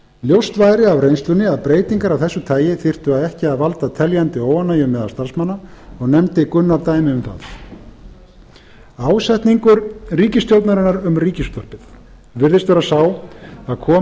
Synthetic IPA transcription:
ljowst̪vaːjɾɪavrejnst̪lʏnːɪaðpɾeːjt̪iŋkaɾavθɛsːʏt̪ʰaːjɪθɪr̥t̪ʏaðɛhcɪaðvalt̪at̪ʰɛljant̪ɪoːwanːajʏmːɛːðast̪aɾ̥smanːaɔɣnɛmt̪ɪkʏnːaɾt̪aːjmɪʏmθa̰θ | aːwsɛht̪niŋkʏɾriːcɪst̪ʰjowt̪naɾɪnaɾʏmriːcɪst̪ɔhpɪθ | vɪɾðɪst̪vɛɾasaːwaðkʰɔː

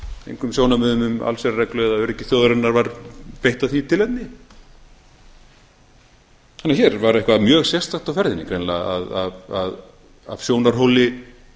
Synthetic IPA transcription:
ḛjŋkʏmsjoːwnamʏːðʏmʏma̰lsɛɾrajklœɣðaœɾɪcɪθjoːwðɾanːaɾvaɾpejht̪aθit̪ʰɪlɛt̪nɪ | hanːaçɛɾvaɾehkvamjœːɣsjɛ̥st̪axt̪awfɛɾðɪnɪkʰɾejnla̰a̰ðaðað | a̰v̥sjoːwnaɾ̥ɦowlɪ

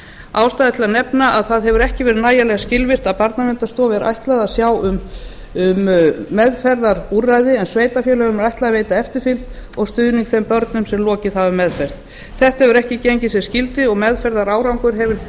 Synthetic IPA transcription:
aːwst̪ajðɪt̪ʰɪlanɛpnaaðθaðɦɛvʏɾɛhcɪvɛːɾɪðnaːjalɛɣascɪlvɪr̥t̪aðpaɾt̪namɛnt̪ast̪ɔːvɛɾʔa̰jht̪laðasjaːwʏm | ʏmːɛðfɛɾðaɾurːajðɪɛnsveːjt̪afjɛlɛɣʏmɾajht̪laaveːjt̪aɛft̪ɪɾ̥fɪlt̪ɔɣst̪ʏðniŋkθɛmpœɾt̪nʏmsɛmlɔːcɪðhavʏɾmɛðfɛɾ̥ð | θɛht̪hɛvʏɾɛhcɪcejɲcɪsɛscɪlt̪ɪɔɣmɛðfɛɾðaɾaːwɾawŋkʏɾ̥ɦɛvɪɾ̥

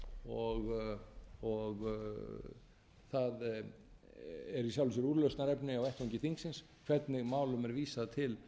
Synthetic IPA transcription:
ɔɣ | ɔɣ | θað | ɛɾisjawlɪs̬ʏɾuːɾlœwst̪naɾɛpnɪawɛht̪ɔɲcɪθiŋksɪns | kʰv̥ɛt̪nɪɣmaːwlʏmɛɾviːsaðt̪ʰɪl

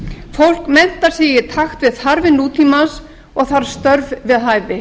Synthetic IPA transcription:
fowl̥kmɛn̥t̪aɾ̥sɛːjɪɾ̥t̪ʰaxt̪vɪðθaɾvɪnuːt̪ʰiːmas | ɔɣθaɾ̥st̪œɾvvɪðɦaːjvɪ

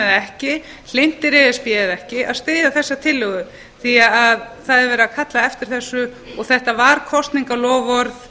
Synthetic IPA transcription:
ɛðɛhcɪ | l̥ɪn̥t̪ɪɾɛðɪspjɛɪðɛhcɪʔa̰st̪ɪːðaθɛsːat̪ʰɪlːʏɣʏ | θiaaðθaðɛɾvɛːɾakʰat̪laɛft̪ɪɾ̥θɛsːʏ | ɔɣθɛht̪avaɾkʰɔst̪niŋkalɔːvɔɾθ

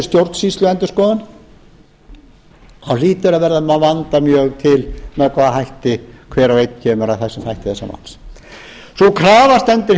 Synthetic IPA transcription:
st̪jowɾt̪n̥siːst̪lʏɛnt̪ʏ̥skɔːðan | awliːt̪ʏɾavɛɾðamavant̪amjœːɣt̪ʰɪlmɛðkʰvaːðaɦajht̪ɪkʰvɛːɾawvejt̪n̥cʰɛːmʏɾaθḁsɛmhajht̪ɪθɛsːama̰ns | sɔkʰɾaːvast̪ɛnt̪ɪɾ

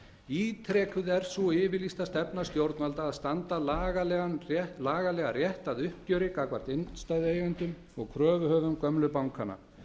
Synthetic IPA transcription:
iːt̪ʰɾɛːkʏðɛɾ̥suɪːvɪlist̪ast̪ɛpnast̪jowɾt̪nalt̪aːðst̪ant̪alaːɣalɛɣanrɛlaːɣalɛːɣarjɛht̪aðʏhp̚cœːɾɪkakvaɾ̥t̪ɪnst̪aːjðeːjɣɛnt̪ʏm | ɔɣkʰɾœːvʏhœːvʏmkœmlʏpawŋkʰana̰

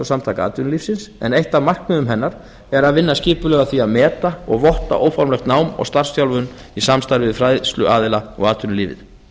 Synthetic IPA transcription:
ɔsamt̪ʰajkaa̰ːt̪ʏnlifsɪnsɛ̰nejht̪amar̥kmʏðʏmɦɛnːaɾ̥ | ɛɾaðvɪnːascɪːpʏlɛːɣaθviaðmɛːt̪aɔɣvɔht̪a̰ʔoːwfaɾmlɛxt̪naːwmɔ̰ɣst̪ar̥sjawlvʏn | isamst̪aɾɪvɪðfɾaːjðst̪lʏʔaːðɪlaɔ̰ɣaːt̪ʏnlɪːvɪ̰ð̥

